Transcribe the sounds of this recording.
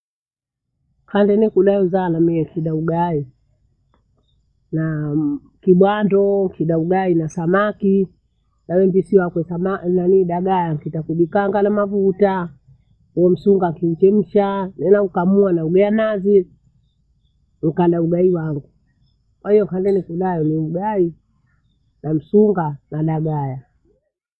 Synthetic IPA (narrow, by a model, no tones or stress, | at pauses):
kʰandɛnɛkuɗauzaːnamiɛkiɗauɡai | na | kiɓwandɔkʰiɗauɡainasamaki | nawɛmbisiwakwɛsamananiɗaɡajaŋkitakuɗikaŋɡanamavuta | ujɔm̩suŋɡakim̩t͡ʃɛm̩ʃanɛnaukamuanauɡajanazi | ŋ̩kanɗauɡaiwaŋɡu | kwahijɔkandɛlikuɗajɔniuɡai | nam̩suŋɡanaɗaɡaja